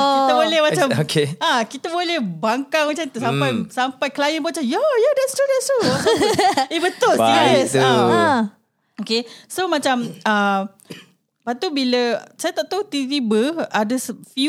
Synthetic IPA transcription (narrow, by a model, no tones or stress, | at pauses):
it̪əbolɛhmãt͡ʃamokeakit̪əbolɛhbaŋkaŋmat͡ʃamt̪usammpajsampajkəlajənbot͡ʃamjajadɛt̪st̪udɛtst̪usibət̪ʊlalsa | okesomãt͡ʃamə | pat̪ubiləsajat̪aʔt̪awt̪it̪ibəadəsfju